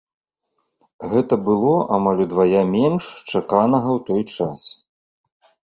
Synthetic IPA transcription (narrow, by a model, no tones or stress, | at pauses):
ɣɛt̪ɐbɨlˠɔʔamalʲud̪vajamʲɛnʂt͡ʂakanɐɣɐwt̪ɔjt͡ʂas